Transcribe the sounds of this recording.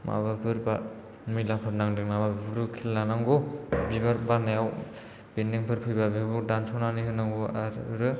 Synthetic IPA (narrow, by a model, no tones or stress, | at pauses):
ma̰βapʰɯɾba | milapʰɯɾnaŋdɯk̚namabapʰɯɾɯkʰilːanaŋɡobibaɾbanajaw | bendiŋpʰɯɾpʰɯjbabibɯdansʰɔnaniɦɯnaŋɡɔaɾɾɯ